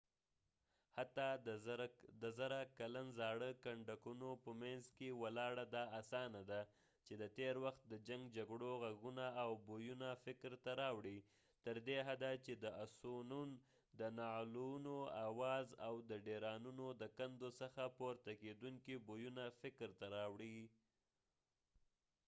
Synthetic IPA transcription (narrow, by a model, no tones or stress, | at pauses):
hat̪ɑ | d̪əzaɾakalanzɑɽəkaɳɖakunopəmanzkewəlɑɽad̪ɑasɑnad̪a | t͡ʃed̪ət̪eɾwaxt̪̚d̪əd͡ʒaŋɡd͡ʒaɡɽoɣaɡunaːwbojunafɪkɾt̪aɾɑwɽi | t̪əɾd̪eɦad̪at͡ʃed̪əasonun | d̪ənɑlunoawɑzawd̪əɖeɾɑnunod̪əkand̪osəxapoɾt̪aked̪uŋkibojunafɪkɾt̪aɾɑwɽi